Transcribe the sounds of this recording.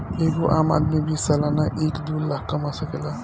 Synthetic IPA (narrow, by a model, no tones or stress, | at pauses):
eːɡoʔa̰ːma̰ːd̪mibiːsːalanaʔeːkd̪ullakkɐmasəkela